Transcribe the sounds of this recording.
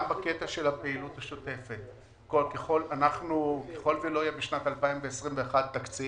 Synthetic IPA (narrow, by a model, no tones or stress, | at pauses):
mbaket̪aʃe̞lhapeilut̪haʃot̪e̞fe̞t̪̚ | kolkeχo̞lanaχnukeχo̞lvilojabiʃnat̪alpaimveesʁimveːχad̪̚t̪ːakt͡si